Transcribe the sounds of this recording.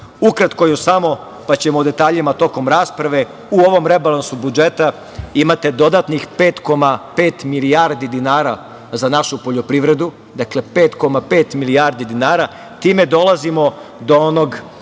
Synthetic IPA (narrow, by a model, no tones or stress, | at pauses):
ukɾat̪ko̞jusamo̞ | pat͡ɕe̞moud̪e̞t̪aːʎimat̪o̞ko̞mɾaːspɾaʋe̞ | uo̞ʋo̞mɾe̞balˠansubud͡ʒe̞t̪a | imat̪e̞d̪o̞d̪at̪nixpe̞ːt̪ko̞mape̞ːt̪milijaɾd̪id̪inaːɾa | zanaʃupo̞ʎo̞pɾiʋɾe̞d̪u | d̪akle̞pe̞ːt̪ko̞mape̞ːt̪milijaɾd̪id̪inaːɾa | t̪iːme̞d̪o̞lˠazimo̞d̪oono̞ɡ